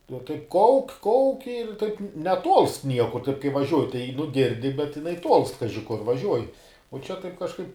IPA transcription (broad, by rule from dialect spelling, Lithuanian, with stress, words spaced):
jɛʊ tɐɪp ˈkɐʊkʲ ˈkɐʊkʲ ɪr tɐɪp nʲɛˈtuɔlˠst ˈnʲiɛkʊr tɐɪp kɐɪ ʋɐˈʒʲuɔjɪ tɐɪ nʊ ˈɡʲɪrʲdʲɪ bʲɛt jɪˈnɐɪ tuɔlˠst ˈkɑːʒʲɪ kʊr ʋɐˈʒʲuɔjɪ oː ˈt͡ʃʲɛ tɐɪp kɐʃˈkɐɪp